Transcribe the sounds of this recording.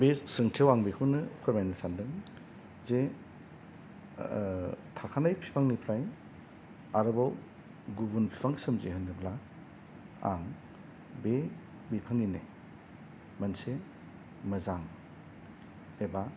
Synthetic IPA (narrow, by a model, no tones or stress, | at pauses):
besɯŋtʰewaŋbekʰunɯkʰɯɾmajnɯsandɯŋ | ze | tʰakʰanajpʰipʰaŋnipʰɾaj | aɾɯbaw | ɡubunpʰi̥pʰaŋsɯmzeɦɯnːɯbla | a̰ŋ | be | bipʰaŋine | mɐnse | mɐzaŋ | eba